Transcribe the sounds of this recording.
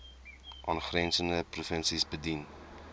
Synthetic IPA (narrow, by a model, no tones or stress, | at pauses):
ʔɑːnχrɛnsəndəprufənsisbədin